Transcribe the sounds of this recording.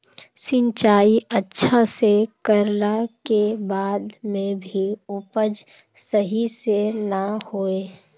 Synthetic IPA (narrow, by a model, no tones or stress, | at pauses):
sɪ̃ɲt͡ʃaːiʔətːʃʰasekəɾlakebaːd̪mẽbʱiʊpəd͡ʒ | səɦisenahoːeː